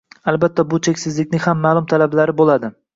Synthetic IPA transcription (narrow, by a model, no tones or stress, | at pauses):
albat̪ʰːabʊt͡ʃʰekʲsɪzlɪkʲnɪhamːaːlˠʊmt̪ʰalablaɾɪbolad̪ɪ